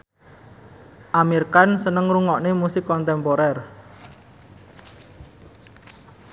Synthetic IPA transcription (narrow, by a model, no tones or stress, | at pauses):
ʔamirkansənəŋruŋɔʔnemusɪkːɔnt̪ɛmpoɾɛr